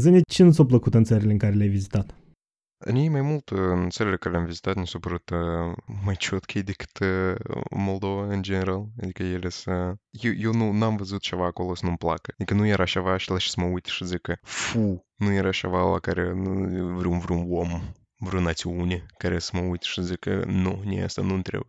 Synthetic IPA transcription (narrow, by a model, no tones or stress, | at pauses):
zɨnʲet͡ʃenusawpləkut̪ɨnt̪səɾʲileɨŋkaɾelʲeajvizʲit̪at̪ | a̰nʲejmajmulˠt̪nt̪səɾʲelʲekaɾʲelʲeamvʲizʲit̪at̪nʲisopəɾut̪ | majt͡ʃot̪kʰejd̪ʲekɨ̥t̪ | mo̞lˠd̪o̞vaɨnd͡ʒeneɾalˠad̪ikəjelʲesəjijonunamvɨzɨt̪ʃaʋakolˠəsnumplˠa̰kɨikɨnujaɾaʃaʋaʃlˠɐʃi̥smɐut̪ʲɪ̥ʂɨzʲɨkɨfu | nujaɾaʃa̰ʋalˠa̰kaɾʲɛnuvɾʲumvɾʲumwom | vɾʲunat͡sʲiunʲɪkaɾʲɛsmɐut̪ʲɪ̥ʂɨzʲɨkɨ̰nonʲḛst̪ɐ̰nunt̪ɾʲḛ